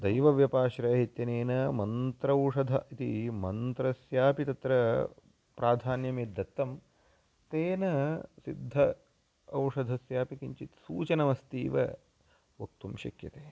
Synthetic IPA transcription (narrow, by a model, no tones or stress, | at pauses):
d̪ɐjʋɐʋjɐpaːʃɾɐjɐɦit̪jɐneːnɐmɐnt̪ɾɐwʂɐd̪ʱɐ̰it̪ḭmɐnt̪ɾɐsjaːpit̪ɐt̪ɾɐ | pɾʔaːd̪ʱaːnjɐmeːd̪ːɐt̪ːɐm | t̪eːnɐsid̪ʱːɐ | ɐwʂɐd̪ʱɐsjaːpikiɲt͡ʃit̪sṵːt͡ʃɐnɐmɐst̪iːʋɐ̰ | ʋɐk̚t̪umʃɐ̰kjɐt̪eː